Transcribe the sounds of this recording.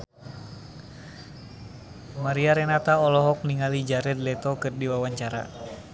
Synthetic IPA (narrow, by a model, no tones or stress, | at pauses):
maɾiaɾɛnat̪aɔlɔɦɔk̚niŋalid͡ʒaɾɛd̪lɛt̪ɔkɨrdiwawaɲt͡ʃaɾa̰